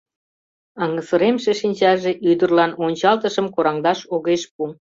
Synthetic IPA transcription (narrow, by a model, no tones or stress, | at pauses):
ɑŋəsəɾemʃeʃinʲt͡ɕɑʒeʔyd̪ərlɑnonʲt͡ɕɑlt̪əʃəmkoɾɑŋd̪ɑʃoɣeʃpu